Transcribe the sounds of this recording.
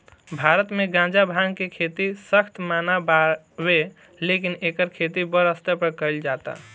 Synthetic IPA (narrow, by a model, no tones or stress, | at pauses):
bʱaɾət̪meɡãd͡ʒabʱaŋkekʰet̪isəkʰt̪manaba | be | lekinekəɾkʰet̪ibəɾəst̪əpəɾkəɪld͡ʒat̪a̰